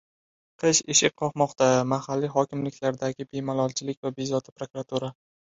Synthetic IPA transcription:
qʰɨʃɪʃɪqʰːɒqmɒqt̪amahalːiɦɒkʲɪmlɪkʲʰlaɾd̪aɡʲɪbe̞malˠɒlˠt͡ʃʰɪlɪkʲvabezɒt̪ʰɪ̥pɾokɾat̪ʰuɾa

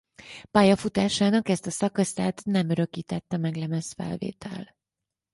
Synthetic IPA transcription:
paːjɒfut̪aːʃaːnɒkɛst̪ɒsɒkɒst̪aːt̪nɛmøɾø̞kiːt̪ɛt̪ːɛmɛɡlɛmɛsfɛ̰lvḛːt̪ʰɛ̰l

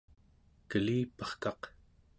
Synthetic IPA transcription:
kəliːpə̥χkɑq

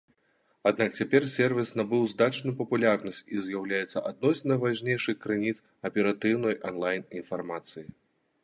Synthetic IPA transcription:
ad̪̚nakt͡sʲapʲɛrsʲɛrvʲisnabɨwzd̪at͡ʂnujupɐpulʲarnɐsʲt͡sʲizʲjawlʲajɛt̪sːɐ̰ʔad̪nɔsʲnɐjvaʒnʲejʂɨxkɾɨnʲit̪s | ɐpʲɛɾat̪ɨwnɔjʔanlˠajninfarmat̪sɨji

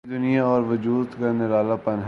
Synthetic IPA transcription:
d̪ʊnijaɔːɾʋʊd͡ʒuːd̪kɐɾneʋaːlapɐnɦ

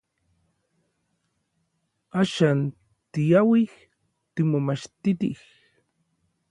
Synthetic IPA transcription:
aʃan | t̪ijawih | t̪imomaʃt̪it̪ḭh

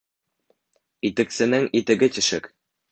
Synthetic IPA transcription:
it̪ɘ̆ksɘ̆nɘŋit̪ɘ̆ɡɘt̪ɘ̆ʃɘk

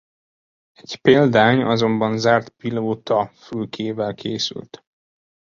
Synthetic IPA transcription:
ɛɟpeːld̪aːɲɒzo̞mbɒnzaːrt̪piloːt̪ɒfylkʰeːvɛlkʰeːsy̰lt̪

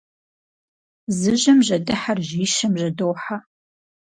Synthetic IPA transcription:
zɨʑɐmʑɐdɨħarʑiːʃɐmʑɐdowħa

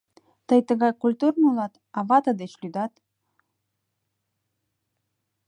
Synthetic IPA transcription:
t̪ɤjt̪ə̆ɣɑjkulʲt̪urnulˠɑt̪ | ɑvɑt̪əd̪et͡ɕlʲyd̪ɑt̪

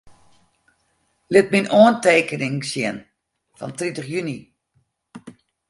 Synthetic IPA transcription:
lɪt̚minoənteːkənɪŋsjɪn | fɔ̰ntritəχjyni

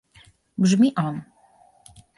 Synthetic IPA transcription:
bʐmʲiʔɔn

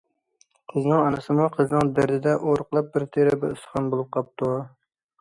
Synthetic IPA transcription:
qʰəznɨŋɑnɨsɨmuqʰəznɨŋd̪ɪɾd̪ɪd̪ɛʔoɾqlˠɑp̚bɪɾt̪ʰeɾɪbɪ̰ʊsχɑnbolˠɨp̚qʰɑp̚t̪u

